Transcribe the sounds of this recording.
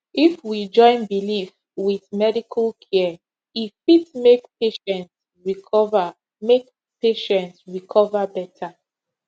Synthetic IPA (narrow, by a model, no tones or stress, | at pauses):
ifwid͡ʒɔ̃ɪ̃nbilif | wiθmɛdikʰalkʰɛ | ifitmekpeʃɛ̃nt | ɹiɔ | mek | peʃɛ̃ntsɹikʰɔvabɛtʰa